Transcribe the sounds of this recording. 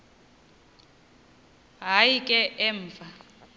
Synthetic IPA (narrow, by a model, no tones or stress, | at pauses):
ɦajikʼɛʔɛɱːfa